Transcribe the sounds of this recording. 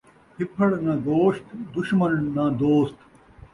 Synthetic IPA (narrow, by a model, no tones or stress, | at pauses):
pʰɪpʰɐɽnɐ̃ɡ̪oːɕt̪d̪ʊɕmɐnːɐd̪oːst̪